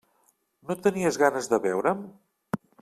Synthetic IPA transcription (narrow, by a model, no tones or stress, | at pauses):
not̪əniəzɣanəzðəβɛwɾəm